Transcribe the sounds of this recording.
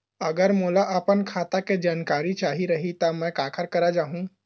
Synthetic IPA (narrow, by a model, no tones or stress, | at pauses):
ɐɡəɾmoːlaʔəpənkʰaːt̪aked͡ʒaːnkaːɾit͡ʃaːɦiɾɐɦit̪amɛ̃kaːkʰəɾkɐɾad͡ʒaːɦũ